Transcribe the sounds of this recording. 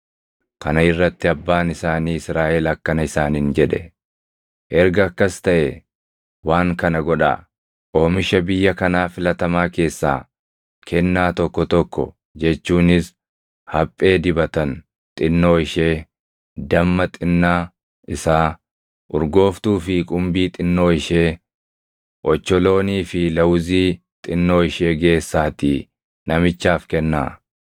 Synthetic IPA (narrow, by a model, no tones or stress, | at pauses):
kɐnɐɪrːɐt̪ːɪɐbːaːnɪsaːniːɪsɾaːʔɛlɐkːɐnɐɪsaːnɪnd͡ʒɛᶑɛ̰ | ʔɛɾɡɐːkːɐst̪ɐʔɛ | waːŋkɐnɐɡɔᶑa̰ː | ʔo̞ːmɪʃɐbɪjːɐkɐnaːfɪlɐt̪ɐmaːke̞ːsːa̰ː | kʰɛnːaːt̪ɔkːɔt̪ɔkːɔ̰ | d͡ʒɛt͡ʃːuːnɪs | hɐpʼːe̞ːd̪ɪbɐt̪ɐn | t̪ʼɪnːo̞ːɪʃe̞ː | d̪ɐmːɐt̪ʼɪnːaː | ɪsaː | ʔʊɾɡo̞ːft̪uːfɪkʼʊmbiːt̪ʼɪnːo̞ːɪʃe̞ː | ʔɔt͡ʃːɔlo̞ːniːfɪlɐwziː | t̪ʼɪnːo̞ːɪʃe̞ːɡe̞ːsːaːt̪iː | nɐmɪt͡ʃːaːfkɛnːa̰ː